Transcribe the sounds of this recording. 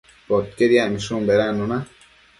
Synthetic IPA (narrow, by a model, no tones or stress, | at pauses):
pot̪̚keɾijamiʃumbeɾaːnuna